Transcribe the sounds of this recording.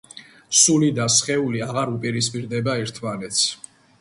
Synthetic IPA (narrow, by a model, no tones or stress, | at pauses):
sulid̪asχɛuliaʁaɾupʼiɾispʼiɾd̪ɛbaɛɾt̪ʰmanɛt̪sʰ